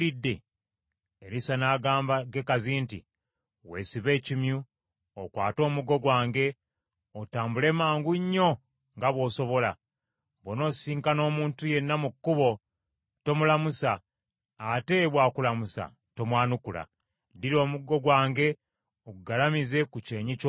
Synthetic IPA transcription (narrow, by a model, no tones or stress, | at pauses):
idːe̞ | eɾisanaːɡaːmbaɡe̞kaziːntḭ | we̞ːsiβe̞ːcimju | okwaːto̞ːmuɡo̞ɡwaːŋɡe̞ | otaːmbule̞ːmaːŋɡuɲːo̞ | ŋɡaβwo̞ːso̞βo̞la | βwono̞ːsiːŋkano̞ːmuːntuje̞nːamukːuβo̞ | to̞mulamusaː | te̞βwaːkulamusa̰ | to̞mwaːnukula̰ | diɾo̞ːmuɡo̞ɡwaːŋɡe̞ | oɡuɡalamize̞kuce̞ːɲic